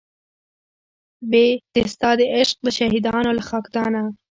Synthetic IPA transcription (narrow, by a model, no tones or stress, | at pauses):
bet̪est̪ɑd̪eʔɪʃq̚d̪əʃaɦid̪ɑnolaxɑkd̪ɑna